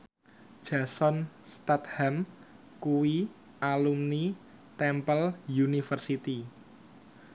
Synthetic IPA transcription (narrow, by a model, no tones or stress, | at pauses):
ʒ̥ä̤sɔnst̪at̪hɛm | kuwi | alumni | t̪ɛmpəljunifərsit̪i